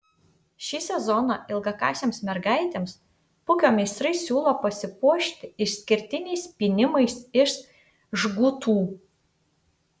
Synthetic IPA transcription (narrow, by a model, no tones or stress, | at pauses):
ʃʲiːsʲɛzɔnɐʔɪlˠɡɐkɑ̰ːsʲeːmsmʲɛɾɡɑɪt̪ʲeːms | pʊkʲoːmʲɛɪst̪ɾɐɪsʲuːlˠoːpɐsʲɪpuɔʃʲt̪ʲɪɪʃsʲkʲɪɾʲt̪ʲɪnʲɛɪspʲinʲɪmɐɪsɪʃ | ʒɡʊt̪uː